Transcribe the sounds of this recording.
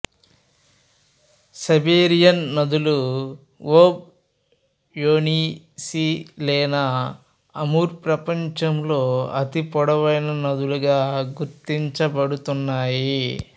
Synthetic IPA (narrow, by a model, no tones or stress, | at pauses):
sɐbeːɾijɐnːɐd̪ulu | woːb̚ | joːniː | silɛːnɐː | ɐmuːɾpɾɐpɐɲt͡ʃɐmlo̞ːɐt̪ipɔɽɐʋɐjnɐnɐd̪uluɡaːɡuɾt̪iɲt͡ʃɐbɐɽut̪unːaːji